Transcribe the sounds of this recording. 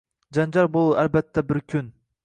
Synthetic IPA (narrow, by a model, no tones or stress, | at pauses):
d͡ʒɑnd͡ʒɑɾbolˠuʔælbæt̪ʰːɛbɪɾkʲʰyn